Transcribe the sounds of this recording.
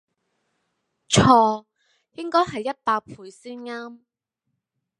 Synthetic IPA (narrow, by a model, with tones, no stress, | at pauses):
t͡ʃʰɔː˧ | jɪ˥ŋkɔː˥jɦɐ˨jːɐ˥t̚paː˧k̚pʰuː˧jsiː˥nŋaː˥m